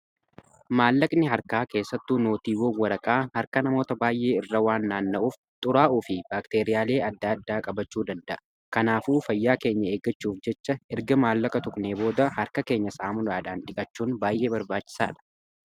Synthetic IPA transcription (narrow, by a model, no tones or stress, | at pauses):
maːlːɐkʼnɪɦɐɾkaːke̞ːsːɐt̪ːuːno̞ːt̪iːwɔwɐɾɐkʼaːhɐɾkɐnɐmo̞ːt̪ɐbaːjʔe̞ːɪrːɐwaːnːaːnːɐʔuːf | t̪ʼʊɾaːʔuːfɪbaːkt̪e̞ːɾɪjaːle̞ːʔɐd̪ːaːɐd̪ːaːkʼɐbɐt͡ʃːuːd̪ɐnd̪ɐʔɐ | kɐnaːfuːfɐjːaːke̞ːɲːɐeːɡɐt͡ʃːuːfd͡ʒɛt͡ʃːɐɛɾɡɐmaːlːɐkʼɐt̪ʊkʼneːbo̞ːd̪ɐhɐɾkɐke̞ːɲːɐsaːmʊlaːᶑaːnᶑɪkʼɐt͡ʃːuːnbaːjʔe̞ːbɐɾbaːt͡ʃːɪ̥sa̰ːᶑɐ̥